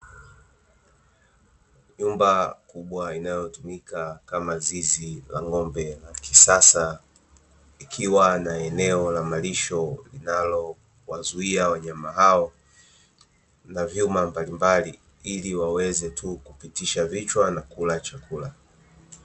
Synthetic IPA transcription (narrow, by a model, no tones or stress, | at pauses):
ɲumbakuɓwainajɔtumikakamazizila̰ŋɔmbɛlaki̥sasa | ikʰiwanaɛnɛɔlamaliʃɔlḭnalɔ | wazuiawaɲamaɦaɔ | navjumambalimbali | iliwawɛzɛtʰukupitiʃavit͡ʃwanakulat͡ʃakʰula